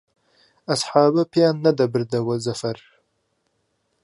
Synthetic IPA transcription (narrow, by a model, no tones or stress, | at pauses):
asħɑːbapjɑnːad̪abəɾd̪awəzafaɾ